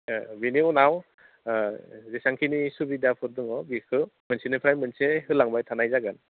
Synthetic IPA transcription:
biniunaw | zesaŋkʰinisubidapʰɯɾdɯŋɔbikʰɯmɯnsʰinɯpʰɾajmɯnseɦɯlaŋbajtʰanajzaɡan

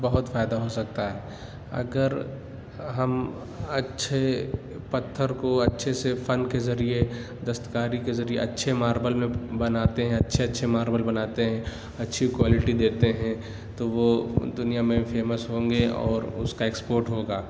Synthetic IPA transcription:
bɐɦʊt̪faːɪd̪aɦosɐk̚t̪aɦɛː | ɐ̰ɡəɾ | ɦɐm | ɐtːʃʰe | pɐt̪ʰːəɾkoɐtːʃʰesefɐ̃nkezɐɾie | d̪ɐst̪ə̥kaːɾikezɐɾiḛɐtːʃʰemaːɾbəlmẽbɐnaːt̪eɦɛ̃ɐtːʃʰeɐtːʃʰemaːɾbəlbɐnaːt̪eɦɛ̃ | ɐtːʃʰikwaːlɪʈid̪eːt̪eɦɛ̃ | t̪oʋod̪ʊnijamẽfeːməsɦõːŋɡeɔ̰ːɾʊ̰skaeːkspoːɾʈɦoːɡaː

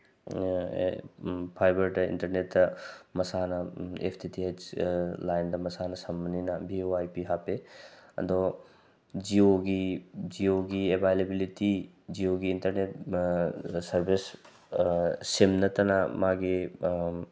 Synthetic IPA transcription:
pʰajbɐɾʈɐḭntɐɾnetːɐmɐsanɐḛpʰtʰitʰiet͡ʃlajndɐmɐsanɐsɐmbɐninɐbioajpiɦapeɐ̰d̪ɔ | d͡ʒioɡid͡ʒioɡiebʱajlebiliti | d͡ʒioɡiːntɐɾnet̚ | sɐɾbʱis | semnɐt̪ɐnamaɡi

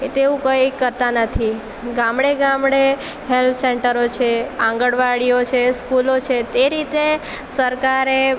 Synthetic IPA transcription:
et̪eũkəjkəɾt̪anət̪ʰi | ɡãmɽeɡãmɽe | ɦelt̪ʰseɳʈəɾot͡ʃʰeãŋɡəɽʋaɽijot͡ʃʰeskulot͡ʃʰet̪eɾit̪e | səɾkaɾe

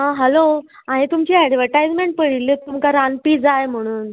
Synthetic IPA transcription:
ɦãɦɛlo | ãɦẽt̪umt͡ɕiːɛɖʋəɾʈajd͡zmeɳʈ̚pəɽilːet̪umkaɾãnpiːd͡zajm̤əɽ̃uːn

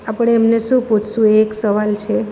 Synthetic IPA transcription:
apəɽ̃eemneʃũput͡ʃʰsũeːksəʋalt͡ʃʰe

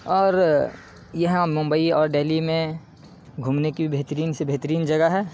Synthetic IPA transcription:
ɔːɾ | jɐɦãmʊ̃mbəiɔːɾɖeːlimẽ | ɡʱumnekibʱibʱeɦt̪ɾiːnsebʱeɦt̪əɾiːnd͡ʒɐɡaɦɛː

